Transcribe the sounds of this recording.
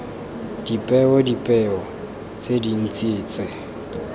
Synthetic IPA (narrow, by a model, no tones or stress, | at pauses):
d̥ipʼɛɔdipʼɛɔ | t͡sʼedin̩t͡sʼiːt͡sʼɪ